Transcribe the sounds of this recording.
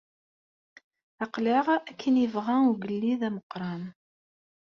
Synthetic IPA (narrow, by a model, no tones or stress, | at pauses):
ɑqlɪʁækʰːənivʁæuɡəlːiðæməqːɾˤɑn